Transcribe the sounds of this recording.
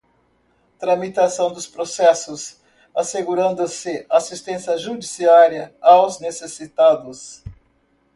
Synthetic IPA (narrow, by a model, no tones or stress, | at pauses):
t̪ɾɐmit̪asɐ̃w̃d̪ʊspɾosɛsʊs | aseɡuɾɐ̃nd̪ʊsɪasist̪ẽsiɐʒud͡ʒisiaɾiɐawznesesit̪ad̪ʊs